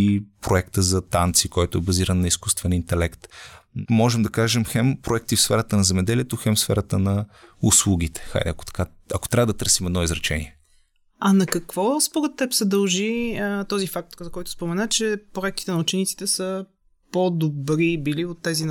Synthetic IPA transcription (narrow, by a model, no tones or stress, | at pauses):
ipɾoɛkt̪əzɐt̪ant̪sikɔjt̪ʊɛbɐziɾənːɐiskust̪vɛnint̪ɛlɛkt̪mɔʒɛmd̪ɐkaʒɛmxɛmpɾoɛk̚t̪ifsfɛɾət̪ənɐzɛmɛd̪ɛliɛt̪oxɛmfsfɛ̰ɾət̪ənɐuslˠuɡ̟it̪ɛ̥xa̰jd̪ɛ̰ɐko̥t̪ɐ̥ka | ɐko̥t̪ɾʲavəd̪ɐt̪ɤɾsimɛd̪nɔizɾɐt͡ʃɛnḭɛ | ɐnɐkɐkvɔspoɾɛt̪ːɛpsɛd̪ɐlˠʒiət̪ɔzifak̚t̪zɐkɔjt̪ʊ̥spomɛnat͡ʃɛpɾoɛkt̪i̥t̪ɛnɐut͡ʃɛnit̪si̥t̪ɛsə | pod̪obɾibiliot̪ːɛzin